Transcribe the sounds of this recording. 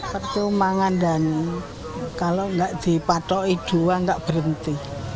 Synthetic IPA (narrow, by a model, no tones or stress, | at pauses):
pərt͡ʃumaŋandane | kaloŋɡaʔd̪̥i̤pat̪ɔid̪̥ṳwaŋɡaʔb̥əɾənt̪i